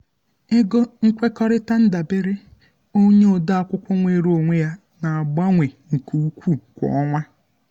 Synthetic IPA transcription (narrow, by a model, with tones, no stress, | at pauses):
ɪ˦ɡo˦ŋ̩˦kʷe˦kɔ˦ɾɪ˦ta˦n̩˦da˨be˦ɾɪ˦ | o˦ɲe˦o˨da˦a˨kʷʊ˦kʷʊ˦ŋʷe˦˨ɾu˦o˨ŋʷe˦ja˦ | na˨a˨ɡ͡ba˦ŋʷe˨ŋ̩˨ku˨u˦kʷu˦kʷɔ̰˨ɔ˦ŋʷa˦